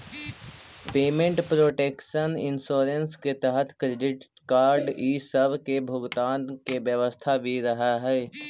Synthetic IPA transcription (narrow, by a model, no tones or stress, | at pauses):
peːmẽɳʈpɾoːʈeːkʃənɪ̰nsoːɾensket̪ɛɦət̪kɾeːɖɪʈ | kaːɾɖiːsəbkebʱʊɡt̪aːnkeʋjəʋəst̪ʰabʱiɾəɦaɦɛː